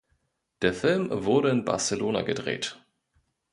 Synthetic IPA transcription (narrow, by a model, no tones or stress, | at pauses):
d̥eːɐfɪlmvʊɐɾəɪnba̰ɐsəloːna̰ɡədʁḛːt